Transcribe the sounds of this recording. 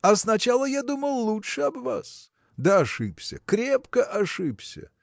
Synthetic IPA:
ɐsnɐt͡ɕalˠəjad̪uməlˠlːˠutʂɨɐbva̰s | d̪əɐʂɨpsʲə̰kɾʲepkəʔɐʂɨpsʲə̰

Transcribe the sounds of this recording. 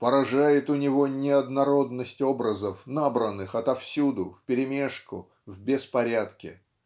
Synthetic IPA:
pəɾɐʐajɪt̪ʊnʲɪvonʲɪɐd̪nɐɾo̞d̪nəsʲtʲo̞bɾəzəfnabɾənːɨxɐt̪ɐfsʲud̪ʊfʲpʲɪɾʲɪmʲe̞ʂkʊ̰ | vʲbʲɪspɐɾʲat̪kʲɪ̰

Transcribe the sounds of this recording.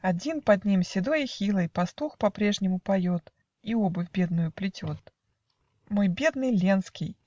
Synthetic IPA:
ɐdʲinpɐd̪ʲnʲimsʲɪd̪ojɪxʲilˠəjpɐst̪uxpɐpɾʲe̞ʐnʲɪmʊpɐjot̪ | iobɨvʲbʲe̞d̪nʊjʊplʲɪtʲot̪ | mojbʲe̞d̪nɨjlʲenskʲɪj

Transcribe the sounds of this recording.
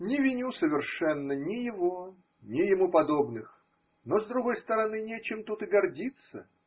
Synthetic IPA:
nʲɪvʲɪnʲusəvʲɪrʂɛnːənʲɪjɪvo | nʲɪjɪmupɐd̪o̞bnɨx | nozd̪ɾʊɡo̞jst̪əɾɐnɨnʲet͡ɕɪmt̪ut̪ɨɡɐrdʲit̪sə

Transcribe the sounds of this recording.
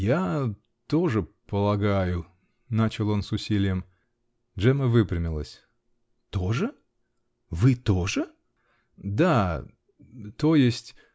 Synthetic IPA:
ja | t̪o̞ʐɨpəlˠɐɡajʊ | nat͡ɕɪlˠo̞nsʊsʲilʲɪjəm | ʐɛməvɨpɾʲɪmʲɪlˠəsʲ | t̪o̞ʐɨ | vɨt̪o̞ʐɨ | d̪a | t̪o̞jɪsʲtʲ

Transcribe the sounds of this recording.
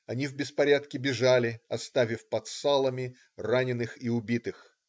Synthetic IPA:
ɐnʲivbʲɪspɐɾʲat̪kʲɪbʲɪʐalʲɪɐst̪avʲɪfpɐt̪salˠəmʲɪ | ranʲɪnɨxiʊbʲit̪ɨx

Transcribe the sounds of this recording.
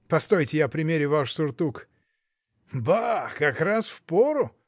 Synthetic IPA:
pɐst̪ojtʲɪjapɾʲɪmʲeɾʲɪvaʂsʊrt̪uk | bakɐkɾasfpoɾʊ

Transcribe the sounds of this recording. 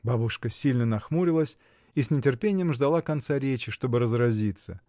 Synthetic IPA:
babʊʂkəsʲilʲnənɐxmuɾʲɪlˠəsʲ | isʲnʲɪtʲɪrpʲenʲɪjəmʐd̪ɐlˠakɐnt̪saɾʲet͡ɕɪʂt̪o̞bɨɾəzɾɐzʲit̪sə

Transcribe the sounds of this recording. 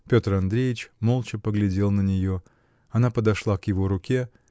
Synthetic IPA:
pʲo̞t̪rɐnd̪ɾʲejɪt͡ɕmolˠt͡ɕɪpəɡlʲɪdʲe̞lˠnənʲɪjo̞ | ɐnapəd̪ɐʂlˠakjɪvo̞ɾʊkʲe

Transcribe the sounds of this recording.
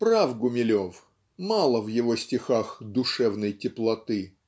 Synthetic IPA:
pɾavɡʊmʲɪlʲof | malˠəvjɪvosʲtʲɪxaxd̪ʊʂɛvnəjtʲɪplˠɐt̪ɨ

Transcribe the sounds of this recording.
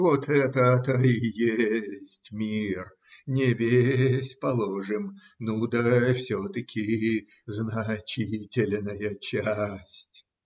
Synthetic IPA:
vot̪ɛt̪ət̪əɪjesʲsʲtʲmʲir | nʲɪvʲesʲpɐlˠoʐɨm | nud̪əfsʲot̪əkʲʰɪ | znɐt͡ɕitʲɪlʲnəjət͡ɕæsʲtʲ

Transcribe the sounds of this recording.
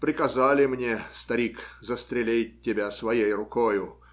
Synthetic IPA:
pɾʲɪkɐzalʲɪmnʲest̪ɐɾʲikzəst̪ɾʲɪlʲet̚ʲtʲːɪbʲasvɐjejrʊkojʊ

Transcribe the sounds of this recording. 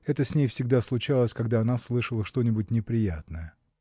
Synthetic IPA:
ɛt̪əsʲnʲejfsʲɪɡ̚d̪aslˠʊt͡ɕalˠəsʲkaɡd̪aɐnaslˠɨʂəlˠəʂt̪o̞nʲɪbʊtʲnʲɪpɾʲɪjat̪nəjə

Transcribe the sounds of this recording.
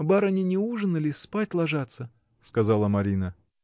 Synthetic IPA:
baɾɐnʲinʲɪuʐɨnɨlʲɪspatʲlˠɐʐat̪sə | skɐzɑlˠəmɐɾʲinə

